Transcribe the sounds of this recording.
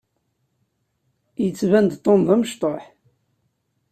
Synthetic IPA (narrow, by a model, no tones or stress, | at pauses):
jət͡sːvænd̪t̪ˤːomðˤæməʃt̪ˤoħ